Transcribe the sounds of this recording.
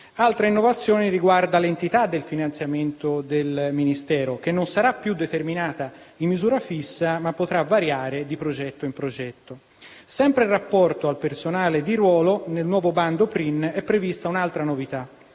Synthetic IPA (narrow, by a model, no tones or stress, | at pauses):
alt̪ɾeinːovat̪sːjoːniriɡward̪alent̪it̪ad̪ːelfinant̪sjament̪od̪elminist̪ɛːɾok̟enːonsaɾapːjud̪ːet̪erminaːt̪a | imːizuːɾafisːamapːot̪ɾavːaɾjaːɾed̪ipɾod͡ʒɛt̪ːoimpɾod͡ʒɛt̪ːo | sɛmpɾerːapːɔrt̪oalpersonaːled̪iɾwɔːlonelnwɔːvoband̪opɾinɛpːɾevist̪aunalt̪ɾanovit̪a